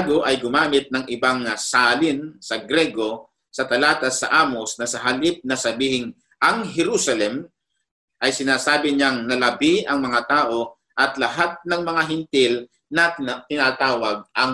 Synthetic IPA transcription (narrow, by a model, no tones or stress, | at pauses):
ɡoʔɐjɡʊmaːmɪt̪̚nɐŋʔɪbaŋsaːlɪnsɐɡɾɛɡo̞ | sɐt̪ɐlaːt̪ɐsːɐ̰ʔaːmosnɐsɐɦalɪp̚nɐsɐbiːhɪŋ | ʔɐŋɦɛɾusɐlɛm | ʔɐjsɪnaːsaːbɪɲaŋnɐlɐbɪʔɐŋmɐŋat̪aːʔo̞ | ʔɐt̪lɐɦat̪̚nɐŋmɐŋaɦɪnt̪ɪl | nɐt̪ɪnat̪aːwɐɡ̚ʔɐŋ